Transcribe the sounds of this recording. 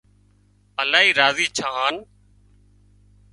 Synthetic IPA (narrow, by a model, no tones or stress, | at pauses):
əlaːɦiːɾaːziːt͡ʃʰaːɦaːn